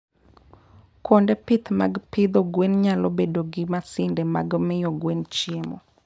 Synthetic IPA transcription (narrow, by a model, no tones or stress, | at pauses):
kɔndɛpɪt̪ma̰ɡpɪd̪ɔɡwenɲalɔbedoɡɪmasɪndɛma̰ɡmɪjɔɡwent͡ʃemɔ̰